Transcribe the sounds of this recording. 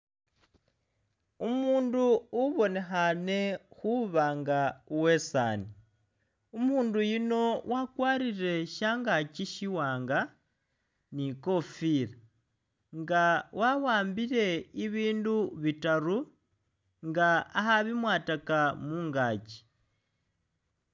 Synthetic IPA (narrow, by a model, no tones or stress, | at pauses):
umuːnduːβo̞ne̞xane̞xuβaːŋɡauwe̞sa̰ːni | umuːndujino̞wʔakwaːɾiɾe̞ʃaːŋɡaciʃiwaːŋɡa | niko̞fiɾa | ŋɡawʔawaːmbiɾe̞iβiːnduβitaɾu | ŋɡaːhaβimwaːtakamuːŋɡaːci̥